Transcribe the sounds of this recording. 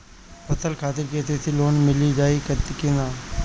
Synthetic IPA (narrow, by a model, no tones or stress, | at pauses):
pət̪ʰəlkʰaːt̪ɪɾket̪et̪ʰiloːnmɪlid͡ʒaːikət̪kɪnaː